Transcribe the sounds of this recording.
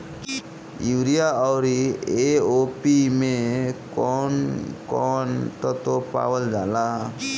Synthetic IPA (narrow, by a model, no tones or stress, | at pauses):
iwɾijaawɾieopimekɔnkɔnt̪ɔt̪opa̰wəld͡ʒala